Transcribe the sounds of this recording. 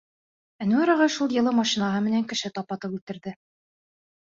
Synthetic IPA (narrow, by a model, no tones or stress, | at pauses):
ænuæɾɑʁɑʃulˠjɤ̆lˠɤmɑʃinɑɦɤmɘ̆næŋkɘ̆ʃɘt̪ɑpɑt̪ɤpʉlt̪ɘ̆ɾðɘ